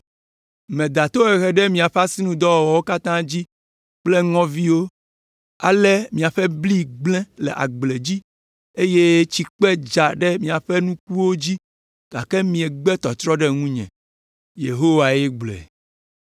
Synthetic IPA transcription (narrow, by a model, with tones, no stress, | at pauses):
mẽ˨d̪a˨t̪o˦ɛ˨ɣɛ˨ɖɛ˦mĩ˨a˨ɸa˦si˦nũ˦d̪ɔ˦wɔ˨wɔ˨wo˦ka˦t̪ã˦d͡ʑi˦ | k͡plɛ˦ŋɔ̃˦vi˦wo˦ | a̰˨lɛ˦mĩ˨a˨ɸɛ˦bli˦ɡ͡blɛ̃˦lɛ̰˨ʔa̰˨ɡ͡ble˨d͡ʑi˦ | e˦je˦t͡ɕi˦k͡pɛ˦d͡ʒa˨ɖɛ˦mĩ˨a˨ɸɛ˦nũ˦ku˦wo˦d͡ʑi˦ | ɡ̥a˨kɛ˦mĩ˨ɛ˨ɡ͡bɛ˦t̪ɔ˨t̪ɾɔ˦ɖɛ˦ŋũ˦ɲɛ̰̃˨ | je˨ɦo˦wa˨je˦ɡ͡blɛ̰˨